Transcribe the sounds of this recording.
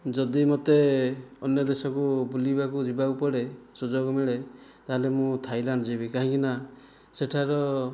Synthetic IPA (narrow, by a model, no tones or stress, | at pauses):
d͡ʒɔd̪imɔt̪eɔnjɔd̪esɔkubulibakud͡ʒibaupɔɽesud͡ʒɔɡɔmiɭet̪aɦelemũt̪ʰajlaɳɖd͡ʒibikaɦĩkina | seʈʰaɾɔ